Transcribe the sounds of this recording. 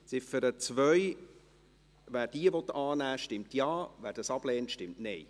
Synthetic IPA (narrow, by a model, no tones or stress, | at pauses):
sɪfəɾət͡svœʏ | væːɾd̥iəvɔtːɑːnæːʃtɪmtjɑːvæːɾd̥ɑsɑb̥lɛːntʃtɪmtnɛj